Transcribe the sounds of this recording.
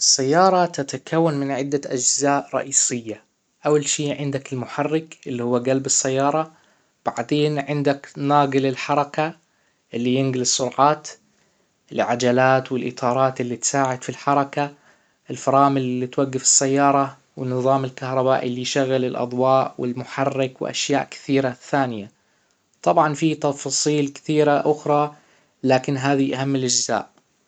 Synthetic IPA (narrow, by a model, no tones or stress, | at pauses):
ʔɪsːajːɑːɾˤɑt̪at̪akʰawːanmɪnʕɪd̪ːaʔad͡ʒzaːʔɾˤɑ̰ʔiːsɪjːa | ʔawːalʃiːʕɪnd̪akɪlmʊħarːɪkʔɪlːihʊwːaɡalbɪsːajːɑːɾˤɑ | b̥aʕd̪eːnʕɪnd̪aknaːɡɨlɪlħɑɾˤɑka | ʔɪlːijɪnɡɪlɨsˤːʊɾʕɑːt̪ | ɪlʕad͡ʒalaːt̪wɪlʔɪ̰t̪ˤʰɑːɾˤɑːt̪ʔɪlːit̪saːʕɪd̪filħɑɾˤɑka | ɪlfɑɾˤɑːmɪllːit̪waɡːɪfɪ̥sːajːɑːɾˤɑ | wɪnːɨðˤɑːmɪlkahɾˤɑbaːʔḭlːijʃaɣːɪlɪlʔɑ̰d̪ˤwɑːʔwɪ̰lmʊħɑrːɪkwɪ̰ʔa̰ʃjaːʔkɪ̥θiːɾaθːaːnɪja | t̪ˤɑbʕɑnfit̪ɑfsˤiːlkɪ̥θiːɾaʔʊxɾˤɑ | laːkɪnɦaːðiʔaɦamːɪlʔad͡ʒza̰ːʔ